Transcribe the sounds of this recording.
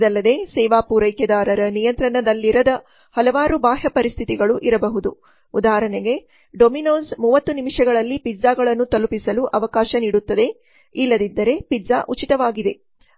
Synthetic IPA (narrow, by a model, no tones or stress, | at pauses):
d̪ɐlːɐd̪e̞sɛːʋaːpuːɾɐjkjɐd̪aːɾɐɾɐnijɐnt̪ɾɐɳɐd̪ɐlːiɾɐd̪ɐ | hɐlɐʋaːɾubaːɦɐpɐɾist̪ʰit̪iɡɐɭuʔiɾɐbɐɦud̪u | ud̪aːɾɐɳeɡe̞ | ɖominoːsmuːʋɐt̪ːunimiʂɐɡɐɭɐlːipizaːɡɐɭɐnːut̪ɐlupisɐluʔɐʋɐkaːʃɐniːɽut̪ːɐd̪e̞ | ilːɐd̪id̪ːɐɾe̞piza̰ʔut͡ʃit̪ɐʋaːɡid̪e̞